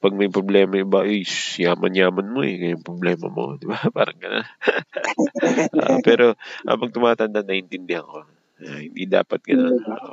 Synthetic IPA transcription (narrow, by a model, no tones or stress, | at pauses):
pɐɡ̚mɐjpɾoblɛːmɐɪbaʔojjaːmɐnjaːmɐnmoɛ̰ɡɐjaŋpɾoblɛːmɐ̰mo̞̰d̪ɪbapa̰ːɾɐŋɡɐna̰ | ʔa̰ʔpɛːɾo̞ʔɐ̰mɐɡ̚t̪ʊmaːt̪ɐnd̪anɐʔɪnt̪ɪnd̪ɛhɐko̞ | ahɪnd̪id̪a̰ːpɐt̪̚ɡɐnonːʔo